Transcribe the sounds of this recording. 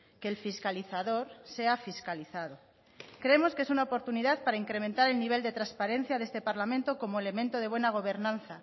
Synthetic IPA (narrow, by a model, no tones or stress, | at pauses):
keːlfiskaliθaðo̞ɾse̞afiskaliθaðo | kɾeemo̞skee̞sunaopo̞ɾt̪uniðaðpaɾaiŋkɾe̞ment̪aɾe̞lniβ̞e̞ld̪e̞t̪ɾaspaɾen̟θjaðe̞st̪e̞paɾlamẽnt̪o̞ko̞moe̞le̞mẽnt̪oð̞e̞β̞we̞naɣ̞o̞β̞e̞ɾnãnθa